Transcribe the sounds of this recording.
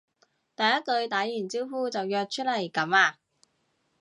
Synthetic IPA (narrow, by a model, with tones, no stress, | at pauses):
t̪ɐ˨˩jɐ˥t̚kɵ˧ɥt̪aː˨˥jyː˨˩nt͡siː˥wfuː˥t͡sɐ˨wjœː˧k̚t͡ʃʰɵ˥t̚lɐ˨˩jkɐ˨˥maː˧